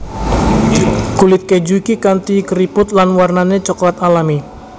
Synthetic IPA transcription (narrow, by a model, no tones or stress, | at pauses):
kulɪt̪̚ked͡ʒukikant̪ikɾipʊt̪̚lanwarnanet͡ʃɔklat̪alami